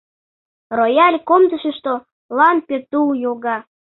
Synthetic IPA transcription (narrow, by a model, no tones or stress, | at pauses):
rojɑlʲkomd̪əʃə̆ʃt̪o | lɑnpʲet̪uljoɣɑ